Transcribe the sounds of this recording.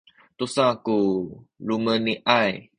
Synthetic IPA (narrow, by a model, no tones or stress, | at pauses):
t̪usãkuluməniʔaj